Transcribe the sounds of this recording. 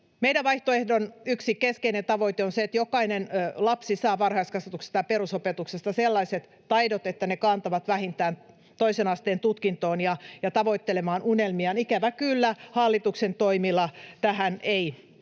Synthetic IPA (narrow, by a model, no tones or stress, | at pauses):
meiɾæʋʋɑiht̪oehdonyksikeskeinent̪ɑʋoit̪eonseet̪jokɑinenlɑpsisɑːʋɑrhɑist̪kɑsʋɑt̪ukse̥st̪ɑperusopet̪uksest̪ɑselːɑiset̪ːɑidot̪et̪ːænekɑːnt̪ɑʋɑt̪ʋæhint̪æːn | t̪oisenɑst̪eːnt̪ut̪kint̪oːnjɑjɑt̪ɑʋoit̪ːelemɑːnunelmiɑnikæʋækylːæhɑlːit̪uksent̪oimilɑt̪æhænei